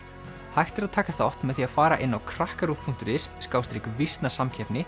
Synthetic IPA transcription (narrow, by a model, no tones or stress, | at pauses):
hajht̪ɪɾaðt̪ʰaːkaθaɔht̪mɛðθiaðfaːɾaʔɪnːawkʰɾahkaɾufpʰun̥t̪ʏɾɪsːkaːwst̪ɾɪkvist̪nasamcʰɛpnɪ